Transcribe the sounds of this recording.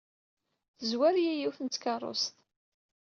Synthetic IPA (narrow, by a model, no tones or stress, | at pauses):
θəzwæɾjæjiwθənt̪ːkɑrˤo̰st̪